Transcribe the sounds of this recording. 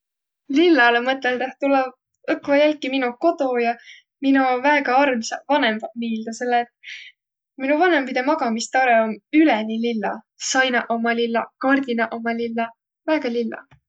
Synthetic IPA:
lilːɑlemɤt̪ːˑeld̪eht̪ulːɑ | ɤkːˑlɑjælʲkːiminuko̞t̪o̞jɑ | minuvæeːɡ̥ɑɑrlisɑvɑne̞mbɑmiːld̪̥use̞lːet̪̚ːˑ | minuvɑne̞mpid̪emɑɡ̥ɑmist̪ɑɾeomylɛnililːɑ̰ | sɑjnɑʔo̞mɑlilːɑ̰kɑrd̪̥inɑʔo̞mɑlilːɑ | væːɡ̥ɑlilːɑ̰

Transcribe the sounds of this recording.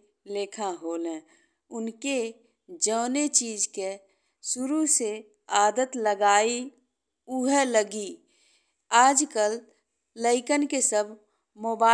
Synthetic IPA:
leːkʰãɦoːlẽ | ʊnke | d͡ʒəːnet͡ʃiːd͡ʒke | sʊɾuse | aːd̪ət̪ləɡaːi | ʊɦɛləɡi | aːd͡ʒkəlː | əɪkənkesəbʱ | moːbaː

